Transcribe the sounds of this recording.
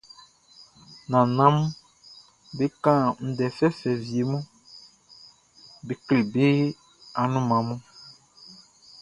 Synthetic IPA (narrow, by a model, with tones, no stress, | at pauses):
nã˨nã˦m˦ | be˦kã˦˨n̩˨dɛ˨fɛ˦fɛ˨vi˨e˨mũ˦ | be˨kli˨be˦ | a˨nũ˦mã˨mũ˦